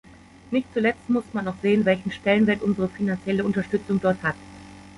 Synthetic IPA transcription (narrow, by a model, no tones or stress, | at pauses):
nɪçtt͡sulɛt͡stmʊsmanɔχz̥eːənvɛlçn̩ʃtɛlənvɛɐtʔʊnzəʁəfinant͡sjɛləʊntɐʃtʏt͡sʊŋdɔɐthat